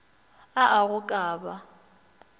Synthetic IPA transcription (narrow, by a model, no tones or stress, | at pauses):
aʔaɣʊkʼaːba